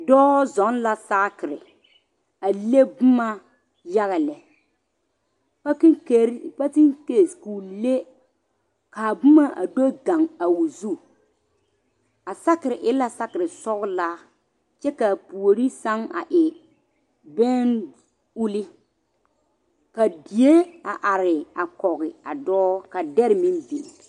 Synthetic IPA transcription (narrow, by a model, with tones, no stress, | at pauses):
dɔː˦zɔ˨˦nla˦saː˦kɪ˨ɾɪ˨ | a˨le˦bʊ˦ma˦ | ja˦ɣa˨lɛ˨ | pa˦kɪ˦ke˨˦pa˦tɪ˦ŋke˨sku˨le˦ | kaː˨bʊ˦ma˦ʔa̰˨do˦ɡã˨ŋa˨wu˨zu˦˨ | a˨sa˦kɪ˨ɾɪ˨ʔɪ˦la˦sa˦kɪ˨ɾɪ˨sɔ˦ɣlaː˦ | t͡ʃɛ˦ka˨pu˨o˨ɾi˦sa˦ŋa̰˨ʔɪ˨ | bɛ˦n | u˦li˦ | ka˨di˨e˦a˨ʔa˨ɾɪ˨a˨kɔ˨ɣɪ˨a˨dɔː˦ka˨dɛ˦ɾɪ˨mi˦nvi˨